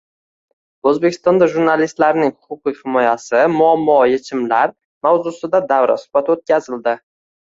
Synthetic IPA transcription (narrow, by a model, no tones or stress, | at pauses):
ɵzbekʲʰɪ̥st̪ɒnd̪aʒuɾnalist̪laɾnɪŋhʊqʊqɨhɪmɒjasɪmʊamːɒjet͡ʃʰɪmlaɾ | mawzusɪd̪ad̪awɾa̰sʊ̥hb̥at̪ot̪̚kʲazɪld̪ɪ